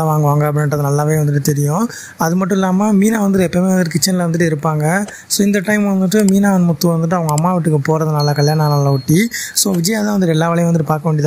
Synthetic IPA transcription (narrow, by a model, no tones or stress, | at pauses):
ʋaːŋɡɐʋaːŋɡɐɐp̬ɐɽɪnɾɐðɯnɐlːaːʋeːʋɐnd̪ɯʈːɯt̪ɛɾɪjʊ̃ | ɐðɯmɐʈːʊ̃ɪlːaːmamiːnaːʋɐnd̪ɯʈɯɛpːɐmeːʋɐnd̪ɯʈːɯkɪt͡ʃːɐnɪlɐʋɐnd̪ɯʈːɯɪɾɯpːaːŋɡɐ | soːɪnd̪ɐʈɐɪmʋɐnd̪ɯʈ̬ːɯmiːnaːɐnmʊt̪ːuʋɐnd̪ɯʈ̬ːɯɐʋɐŋɡɐmːaːʋɪʈːɯkːɯpoːɾɐðɯnɐlːaːkɐɭjaːnanɐlaːʊʈːisoːʋɪd͡ʒɐjaːt̪ãːʋɐnd̪ɯʈːɯɛlːaːʋɐɭɐjɐ̃ʋɐnd̪ɯʈːɯpaːɾkɐʋeːɳɖɪɐða